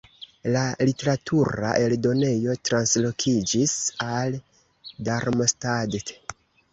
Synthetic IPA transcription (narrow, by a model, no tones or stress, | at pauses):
lalite̞ɾatʰuɾa̰ʔe̞ldo̞ne̞jo̞tɾanslo̞kʰid͡ʒisal | daɾmostadet